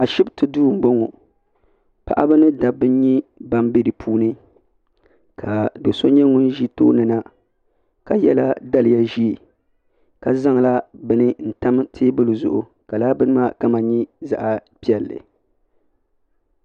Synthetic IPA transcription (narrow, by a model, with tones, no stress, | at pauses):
a˨ʃɪ˦btɨ˨duː˦˨m̩˨bo˦ŋo˨ | pa̰˨ʔa˦bɨ˦nɨ˦da˨bɨ˦n˦ɲi˦ba˦mbe˦dɨ˨pʰuː˦nɨ˦ | kʰa˨do˨so˦ɲɛ˦ŋʊ˦n˦ʒi˦to̰ː˦nɨ˨na˦ | ka˨jɛ˦la˦da˦lɪ˨ja˦ʒi˦˨ | ka˨za˦ŋ˨la˦bɨ˦nɨ˦n̩˦˨ta˦m˦tʰeː˦bɨ˦lɨ˨zʊ̰˨ʔʊ˨ | ka˨laː˦bɨ˦nɨ˦ma˦ka˦ma˨ɲi˦za̰˨ʔa˨pi˦ɛ˨lːɨ̰˨